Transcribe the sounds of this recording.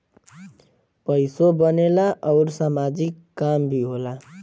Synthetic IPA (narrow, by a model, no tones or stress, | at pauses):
pʌisobʌnelaʔʌʊɾsamad͡zikːambʱiɦola